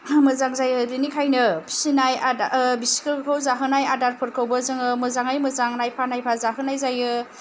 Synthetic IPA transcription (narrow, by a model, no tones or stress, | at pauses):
mɯzaŋzajɯɾinikʰajnɯbʰi̥sinajaabisi̥kʰɯkʰawzaɦɯnajadaɾpʰɯɾkʰɯwbɐzɯŋɯmɯzaŋajmɯzaŋnajpʰanajpʰazaɦɯnajzajɯ